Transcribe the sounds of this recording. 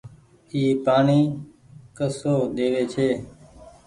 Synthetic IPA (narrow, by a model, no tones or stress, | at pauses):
iːpaːɳiː | kəsoːɗ̪eːʋeːt͡ʃʰeː